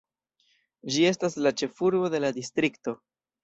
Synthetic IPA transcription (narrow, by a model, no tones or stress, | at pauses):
d͡ʒie̞staslat͡ʃe̞fuɾbo̞de̞ladistɾikto̞